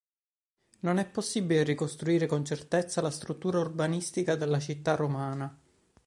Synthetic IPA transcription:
nonɛpːosːibilerikost̪ɾuiːɾekont͡ʃert̪et̪sːalast̪ɾut̪ːuːɾaurbanist̪ikad̪elːat͡ʃit̪ːarːomaːna

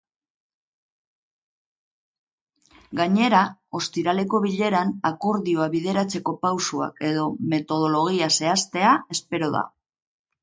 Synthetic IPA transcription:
ɡaɲe̞ɾao̞st̪iɾale̞ko̞βiʎe̞ɾanako̞ɾðioaβiðe̞ɾat͡se̞ko̞pawsua̰ke̞ðo̞me̞t̪o̞ð̞o̞lo̞ɣ̞iase̞ast̪e̞ae̞spe̞ɾo̞ða̰

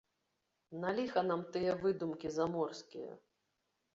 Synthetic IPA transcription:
nalʲixɐnamt̪ɨjɛvɨd̪umkʲizamɔrskʲijɐ̰

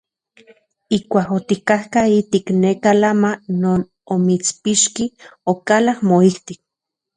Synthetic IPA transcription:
ikʷaːkot̪ikahkait̪iknekalamanoːn | omit͡spiʃkiokalahmoiht̪ik̚

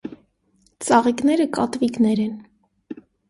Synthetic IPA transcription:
t͡sɑʁiknɛɾəkɑt̪viknɛɾɛn

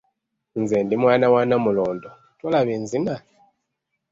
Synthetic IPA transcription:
nzɛndimwaːnawanamulɔːndɔ | twalaβinzina

